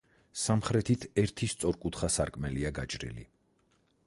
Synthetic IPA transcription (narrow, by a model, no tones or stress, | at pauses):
samχɾɛt̪ʰit̪ʰɛɾt̪ʰist̪sʼɔɾkʼut̪ʰχasaɾkʼmɛliaɡat͡ʃʼɾḭlḭ